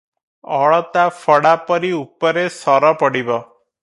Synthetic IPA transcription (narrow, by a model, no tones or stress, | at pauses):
ɔɭɔt̪afʰɔɽapɔɾiupɔɾesɔɾɔpɔɽibɔ